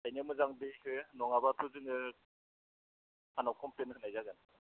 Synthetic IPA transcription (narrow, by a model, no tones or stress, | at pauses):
ajnamɯzaŋdihɯnɔŋabatʰuzɯŋɯ | hanawkʰɔmplenɯhɯnajzaɡɯn